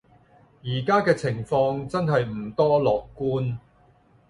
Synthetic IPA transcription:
jiː˨˩kaː˥kɛː˧t͡sʰɪ˨˩ŋfɔː˧ŋt͡sɐ˥nɦɐ˨jm̩˨˩t̪ɔː˥lɔː˨kːuː˥n

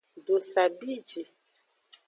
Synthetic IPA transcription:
do˨sa˨bi˦d͡ʒi˨

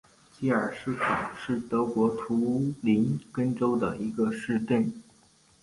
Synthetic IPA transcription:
t͡ɕi˧˥ə˞˨˩ʂɻ̩˥˩kʰɑ˨˩ŋʂɻ̩˥˩t̪ɤ˧˥kwɔ˧˥t̪ʰu˧˥li˧˥nkə˥nʈ͡ʂo˥ʊd̪ə˨i˧˥ɡə˧ʂɻ̩˥˧t̪e˥˩n

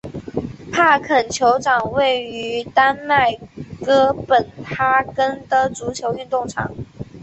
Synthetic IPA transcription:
pʰa˥˩kʰə˨˩nt͡ɕʰjo˧˥ʊʈ͡ʂɑ˨˩ŋwe˥˩ɪy˧˥t̪a˥nma˥˩ɪkɤ˥pə˨˩nt̪ʰa˥kə˥nt̪ɤ˥t͡su˧˥t͡ɕʰjo˧˥ʊy˥˧nt̪ʊ˥˩ŋʈ͡ʂʰɑ̰˨˩˦ŋ

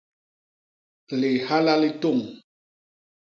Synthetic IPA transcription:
li˨ha˦la˦li˦tu˦˨ŋ

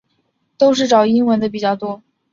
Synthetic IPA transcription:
t̪o˥ʊʂ̬ɻ̩˥˩ʈ͡ʂɑ˨˩ʊi˥nwə˧˥nd̪ə˧p̬i˨˩t͡ɕjɑ˥˩ʊt̪wɔ˥

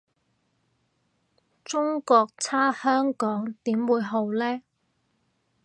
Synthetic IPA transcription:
t͡sʊ˥ŋkɔː˧k̚t͡sʰaː˥hœː˥ŋkɔː˨˥ŋt̪iː˨˥mwuː˨˧jɦo˨˧wlɛː˥

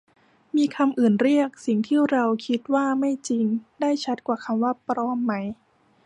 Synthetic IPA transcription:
miː˧kʰa˧mʔɯː˨˩nɾi˥˩ək̚si˨˩ŋt̪ʰiː˥˩ɾa˧wkʰi˦˥t̪̚waː˥˩ma˥˩jt͡ɕi˧ŋdaː˥˩jt͡ɕʰa˦˥t̪̚kwaː˨˩kʰa˧mwaː˥˩pɾɔː˦˥mːa˦˥j

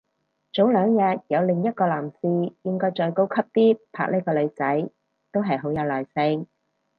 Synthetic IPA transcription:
t͡so˨˥wlœː˨˧ŋjɐ˨t̚jɐ˨˧wlɪ˨˩ŋjɐ˥t̚kɔː˧laː˨˩msiː˧jɪ˥ŋkɔː˧˥jt͡ʃɔː˨jko˥wkʰɐ˥p̚t̪iː˥pʰa̰ː˧k̚neː˥kɔː˧lɵ˨˧ɥt͡sɐ˨˥j | t̪o˥wɦɐ˨jɦo˨˥wjɐ˨˧wlɔː˨˩jsɪ˧ŋ

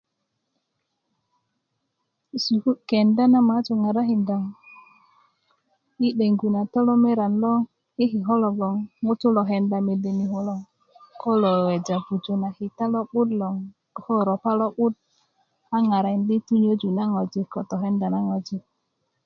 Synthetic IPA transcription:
su˨hu˦ke˨nda˦na˦ma˨˦t͡ʃu˨ŋa˨ɾa˦ɦi˨nda˨ŋ | i˦ɗe˨ŋɡu˨na˨tɔ˦lɔ˦me˦ɾa˨nlɔ˦ŋ | i˦ɦi˨ɦɔ˦lɔ˨ɡɔ˨ŋŋu˦tu˦lɔ˨ɦe˨nda˨me˨de˨ni˨ho˨lɔ˦ŋ | ko˦lo˨we˨d͡ʒa˨vu˨d͡ʒo˨na˨hi˨ta˦lɔ˦ɓu˦dlɔ˨ŋ˨ | ho˦ɾo˨pa˦lɔ˦ɓu˦d̚ | a˦ŋa˨ɾa˨ndi˦tu˦ɲo˦d͡ʒu˨na˦ŋo˨d͡ʒi˨kɔ˨tɔ˨ɦe˦nda˨na˦ŋo˨d͡ʒi˨k̚

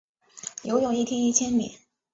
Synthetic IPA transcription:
jo˧˥ʊjʊ˨˩ŋi˥˩t̪ʰjɛ˥ni˥˩t͡ɕʰjɛ˥nmḭ˨˩˦n

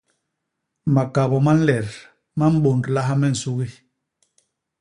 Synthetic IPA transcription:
ma˨ka˨βɔ˨ma˦n̩˦lɛ˨ɾ | ma˦m̩˦ɓo˨ndla˦ɦa˦mɛ˦˨n̩˨su˦ɣi˦

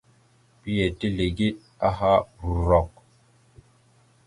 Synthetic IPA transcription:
pi˦je˨ti˦le˨ɡi˦t̚ | a˦ɦa˦bu˨ɾɔ˨k̚

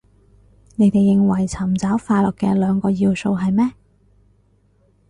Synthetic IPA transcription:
ne˨˧jt̪e˨jːɪ˨ŋwɐ˨˩jt͡sʰɐ˨˩mt͡sɐː˨˥wfaː˧lɔ˨kːɛ̰˧lœː˨˧ŋkɔː˧jiː˧wso˧wɦɐ˨jmɛː˥

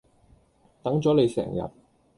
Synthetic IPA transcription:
t̪ɐ˨˥ŋt͡sɔː˨˥le˨˧jsɛ̰ː˨˩ŋjɐ̰˨t̚

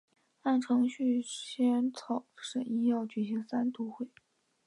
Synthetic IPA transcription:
a˥˩nʈ͡ʂʰɤ˧˥ŋɕy˥˩ɕjɛ˥nt͡sʰɑ˨˩˦ʊʂə˨˩i˥jɑ˥˩ʊt͡ɕy˨˩ɕi˧˥ŋsa˥nt̪ʰu˧˥xwe˥˩ɪ

